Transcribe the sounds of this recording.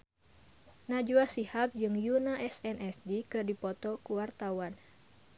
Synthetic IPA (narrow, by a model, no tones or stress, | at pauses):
nad͡ʒuasihap̚d͡ʒɨŋjunaʔɛsɛnʔɛsdikɨrdipɔt̪ɔkuwart̪awan